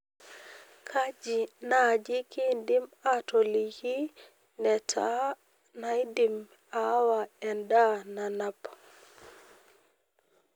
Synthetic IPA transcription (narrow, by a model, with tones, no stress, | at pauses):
kʰa˦d͡ʒi˨na˨d͡ʒi˦ki˦ndi˦ma˦to˨li˨ki˦ | nɛ˨tʰa˦ | na˨jdi˨m | a˨˦wa˨ɛ˨nda˦na˨na˦p